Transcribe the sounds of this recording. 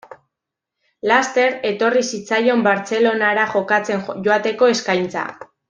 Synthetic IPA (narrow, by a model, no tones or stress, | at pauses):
last̪e̞ɾe̞t̪o̞risit͡sajo̞mbaɾt͡se̞lo̞naɾaʝo̞kat͡se̞nʝoat̪e̞ko̞e̞skajnt͡sa̰